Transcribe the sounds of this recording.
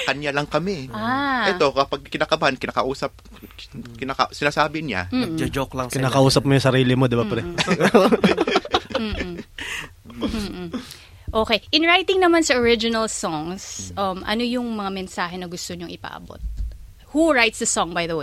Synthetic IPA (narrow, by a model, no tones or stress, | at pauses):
kɐɲjalɐŋkɐmɛʔaɛt̪o̞kɐpaɡ̚kɪnakɐbankɪnaːkɐʔuːsɐp̚ | kɪnakɐ̰ʔsɪnaːsaːbɪɲa̰m̩ːd͡ʒɐd͡ʒoklɐŋkɪnaːkɐʔuːsɐp̚mojʊŋsɐɾiːlɪmod̪ɪbapɾɛ | m̩ː | m̩ː | ʔo̞ːkejʔɪnɹajt̪ɪŋnɐmansɐʔoɹɪd͡ʒɪnɐlsoŋsʔɐmʔɐ̰nojʊŋmɐŋamɛnsaːɦɛnɐɡʊst̪oɲʊŋʔɪpɐ̰ʔɐ̰bo̰t̪̚ | huɹajt̪sd̪ɐsɔŋbɐjðɐw